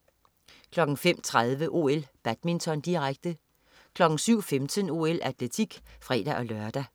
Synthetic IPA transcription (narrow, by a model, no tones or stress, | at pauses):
kʰlɒ̽ɡ̥n̩fem̰t͡sʰʁað̞ˠʋəʔo̝ːelb̥æd̥̚mint͡sʰɒ̽nd̥iʁaɡ̥̚d̥ə | kʰlɒ̽ɡ̥n̩syʊ̰femt͡sʰəno̝elʔæt͡sʰlet͡sʰiɡ̥fʁɛ̰ːd̥æʔɒ̽lœɐd̥æ